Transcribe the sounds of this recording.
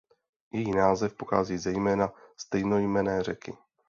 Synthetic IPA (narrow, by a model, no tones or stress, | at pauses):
jɛjinaːzɛfpoxa̰ːziːzɛjmɛːnast̪ɛjno̞jmɛnɛːrɛkɪ